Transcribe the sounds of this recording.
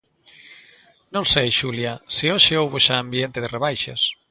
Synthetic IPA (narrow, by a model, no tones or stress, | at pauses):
nõŋsejʃuljɐsɪoʃɪowβoʃãːmbient̪ɪðɪreβajʃas